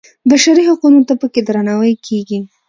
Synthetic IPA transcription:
baʃaɾihaqunot̪apəked̪ɾanawəjkʰeɡi

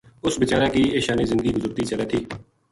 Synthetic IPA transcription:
ʊsbɪt͡ʃaːɾaːkiːeːʃaːniːzɪnd̪ɡiːɡʊzʊɾt̪iːt͡ʃələt̪ʰiː

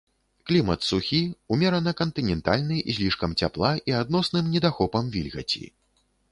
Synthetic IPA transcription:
klʲimɐt̪suxʲiumʲɛɾɐnɐkɐnt̪ɨnʲɛnt̪alʲnɨjzʲlʲiʂkɐmt͡sʲa̰plˠaʔiad̪nɔsnɨmnʲɛd̪axɔpɐmvʲilʲɣɐ̰t͡sʲḭ

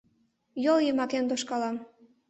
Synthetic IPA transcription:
joljemɑkend̪oʃkɑlɑm

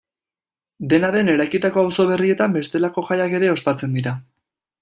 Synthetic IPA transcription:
d̪e̞naðe̞ne̞ɾajkit̪ako̞awso̞β̞e̞rie̞t̪ambe̞st̪e̞lako̞ʝajake̞ɾe̞o̞spat͡se̞nd̪iɾa

